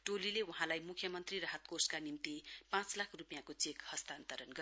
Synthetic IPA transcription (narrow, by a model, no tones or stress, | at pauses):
ʈolilewʌɦãlajmukʰjʌmʌnt̪riɾʌɦʌt̪koskanimt̪ipãt͡slakʰrupijãkot͡sekhʌst̪ant̪ʌɾʌnɡʌ